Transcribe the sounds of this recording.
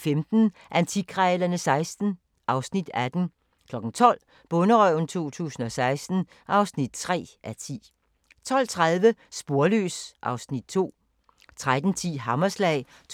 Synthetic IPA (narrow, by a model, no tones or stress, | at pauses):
femd̥n̩ʔænt͡sʰiɡ̥ʰʁɛːlɐnəsɑ̈ɪsd̥n̩ | ʔɑ̈ʊsnid̥æd̥n̩ | kʰlɒ̽ɡ̥n̩t͡sʰɒ̽l̰ | b̥ɔ̽nəʁœʊn̩t͡sʰo̝̰ːt͡sʰṵːsn̩ɒ̽sɑ̈ɪsd̥n̩ | ʔɑ̈ʊsnid̥t͡sʰʁɛ̰ːʔæt͡sʰḭː | t͡sʰɒ̽l̰t͡sʰʁaðˠʋəsb̥o̝ɐlø̰ːsʔɑ̈ʊsnid̥̚t͡sʰo̝̰ː | t͡sʰʁad̥n̩t͡sʰḭːɦɑ̈mɐslɛɪ | t͡sʰ